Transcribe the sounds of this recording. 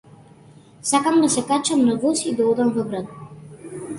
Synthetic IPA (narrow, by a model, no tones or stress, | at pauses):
sakamd̪asɛkat͡ʃamnavɔsid̪aɔd̪amvɔɡɾat̪̚